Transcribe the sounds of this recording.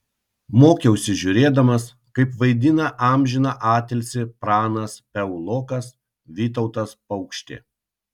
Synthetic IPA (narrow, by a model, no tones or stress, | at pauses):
moːkʲɛʊsʲɪʒʲʊɾʲeːd̪ɐmɐs | kɐɪpʋɐɪd̪ʲɪnɐʔɑˑmʲʒʲɪnɑʔɑːt̪ʲɛlʲsʲɪpɾɑːnɐspʲɛʊlˠoːkɐs | ʋʲiːt̪ɐʊt̪ɐspɐʊkʃʲt̪ʲḛː